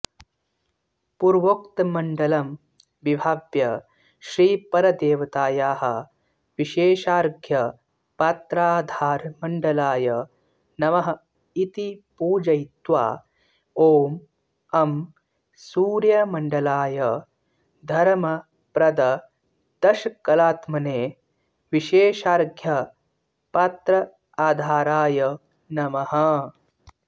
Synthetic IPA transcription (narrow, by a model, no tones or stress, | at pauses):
puɾʋokt̪ɐmɐɳɖɐlɐm | ʋibʱaːʋjɐ | ʃɾiːpɐɾɐd̪eːʋɐt̪aːjaːɦɐ̆ | ʋiʃeːʃaːɾɡʱjɐ | pat̪ɾaːd̪ʱaːɾmɐɳɖɐlaːjɐ | nɐʋɐɦɐ | it̪ipuːd͡ʒɐjt̪ʋa̰ː | oːm | ɐm | suːɾjɐmɐɳɖɐlaːjɐ | d̪ʱɐɾmɐ | pɾɐd̪ɐ | d̪̥ɐʃɐkːɐlaːt̪mɐneː | ʋiʃeːʃaːɾɡʱjɐ | pɐt̪ɾɐ | aːd̪ʱaːɾaːjɐ | nɐmɐɦɐ̆